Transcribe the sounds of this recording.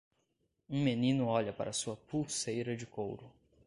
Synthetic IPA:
ũmenĩnʊɔʎɐpa̰ɾʔɐsuɐpuwsejɾɐd͡ʒɪko̰wɾʊ

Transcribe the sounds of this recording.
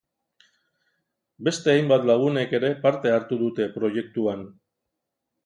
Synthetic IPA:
be̞st̪e̞ajmbat̪laɣ̞une̞ke̞ɾe̞paɾt̪e̞aɾt̪uðut̪e̞pɾo̞je̞k̚t̪uan

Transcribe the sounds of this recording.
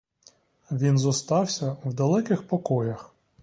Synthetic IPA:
ʋʲinzɔst̪ɑwsʲɐwd̪ɐlˠɛkɪxpɔkɔjɐx

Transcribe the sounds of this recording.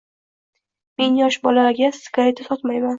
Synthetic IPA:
me̞njɒʃbɒlaɡʲasɪ̥kaɾet̪ʰɪsɒt̪majman

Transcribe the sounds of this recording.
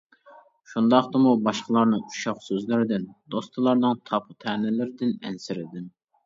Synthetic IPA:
ʃund̪ɑχt̪ɨmubɑʃqəlˠɑɾnɨuʃɑχsøzlɪɾɪd̪ɪnd̪ost̪ʰɨlˠɑɾnɨŋt̪ʰɑpʰut̪ʰɛːnɪlɪɾɪd̪ɪnɛ̰nsɪɾɪd̪ɪn

